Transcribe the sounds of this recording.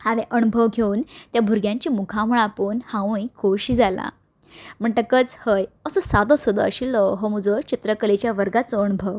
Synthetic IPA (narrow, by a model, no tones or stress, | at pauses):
haʋeʔəñubʱəʋɡʱeunt̪jabʱuɾɡjãɲt͡ɕiːmukʰaməɭapoːnhãũikoɕiːd͡zalã̰ | m̤əɳʈ̪akət͡shəjəsəsad̪əsud̪ʱə̰əɕilɔɦɔməd͡zət͡ɕit̪ɾəkəlet͡ɕjaʋəɾɡat͡sɔːñubʱəʋ